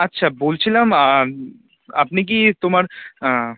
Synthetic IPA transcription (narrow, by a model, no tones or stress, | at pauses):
ɐtːʃʰaboːlt͡ʃʰilama | ɐpnek̬it̪ʊmaɾ